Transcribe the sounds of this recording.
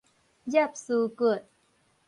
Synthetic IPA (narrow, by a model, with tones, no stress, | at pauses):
ja˥˩p̚suː˧˩kɤː˨˩ət̪̚